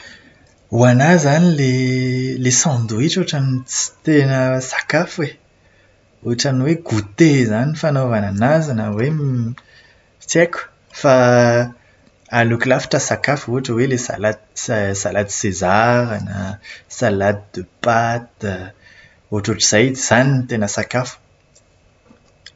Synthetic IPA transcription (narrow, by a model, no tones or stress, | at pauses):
uanazanilelesɑ̃nd̪uiʈ͡ʂuaʈ͡ʂanit͡si̥t̪enəsḁkafwe | uɦaʈ͡ʂaniweɡut̪ezaniifanovananazanəwem | t͡sekʲu̥ | fa | alukilafḁʈ͡ʂəsakafuɦaʈ͡ʂəwelesa̰lad̪ssalad̪i̥sezaɾanə̰salad̪id̪̥əpat̪ | uɦaʈ͡ʂuʈ͡ʂiz̥ajiiz̥anint̪enəsakafu̥